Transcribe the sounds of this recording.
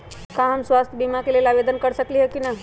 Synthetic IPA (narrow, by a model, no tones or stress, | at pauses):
kaɦamsʋast̪ʰəbimakelelaʋed̪ənkəɽsəkliɦekina